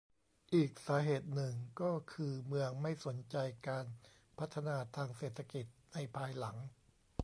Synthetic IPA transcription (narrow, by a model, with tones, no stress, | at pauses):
ʔiː˨˩k̚saː˩˦ɦeː˨˩t̪̚nɯ˨˩ŋkɔː˥˩kʰɯː˧mɯ˧əŋma˥˩jso˩˦nt͡ɕa˧jkaː˧n | pʰa˦˥t̪ʰːa˧naː˧t̪ʰaː˧ŋseː˨˩t̪ʰːa˧ki˨˩t̪̚na˧jpʰaː˧jla˩˦ŋ